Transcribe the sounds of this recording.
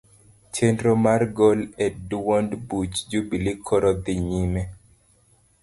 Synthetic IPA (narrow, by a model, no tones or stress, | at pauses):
t͡ʃendɾomarɡolɛdwɔndbut͡ʃd͡ʒubilikʰɔɾɔd̪iɲimɛ